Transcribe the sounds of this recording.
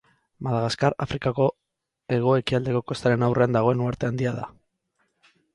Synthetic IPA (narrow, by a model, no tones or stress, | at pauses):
maðaɣaskaɾa̰fɾikako̞ | e̞ɣ̞o̞e̞kiald̪e̞ko̞ko̞st̪aɾe̞nawre̞and̪aɣ̞o̞e̞nuaɾt̪e̞and̪iaða̰